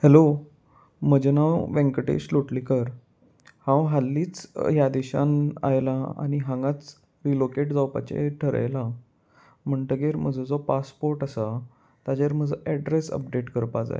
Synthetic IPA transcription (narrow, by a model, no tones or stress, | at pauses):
hɛlo | məd͡ʑenawʋẽŋkəʈḛɕloʈlikəɾ | hãwɦalːiːt͡sjad̪eɕa̰na̰jlaa̰ñiɦãŋɡat͡s | ɾilokeʈd͡zawpa̰t͡ɕḛʈʰəɾə̰jla | m̤əɳʈ̪əɡeɾm̤əd͡zʱəd͡zɔpaspoɾʈəsa | t̪ad͡ʑeɾm̤əd͡zəʔɛɖɾesə̰p̚ɖeʈkəɾpad͡za̰ḛ